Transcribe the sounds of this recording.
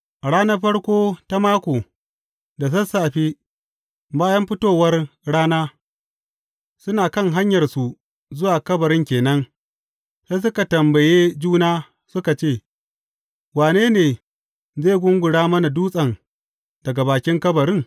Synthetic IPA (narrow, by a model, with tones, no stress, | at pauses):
ʔa˨ɽaː˦nɐ˦ɸɐ˦ɽkʷoː˦ta˦maː˦kʷoː˨ | da˨s̬ɐ˦saː˨ɸiː˦ | baː˦jɐ˦mɸɪ˦toː˦˨wɐ˦rɽaː˦naː˦ | sʊ˦naː˨kɐ˦ŋɦa˦ɲjɐ˨rsu˨ | zʊ˦waː˨kɐ˦bɐ˨ɾɪ˦ŋkʲeː˨nɐ˦ŋ | se˦s̬ʊ˦ka˨tɐ˨mbɐ˨jeː˦d͡ʒuː˦naː˦ | sʊ˦ka˨t͡ʃeː˦˨ | waː˨neː˦neː˨ | zeː˦˨ɡʷʊ˦ŋɡʷʊ˨ɽaː˦mɐ˦na˨duː˦sʼɐ˨ŋ | d̥ɐ˨ɡa˨baː˨kʲɪ˦ŋkɐ˦bɐ˨ɾɪ˦ŋ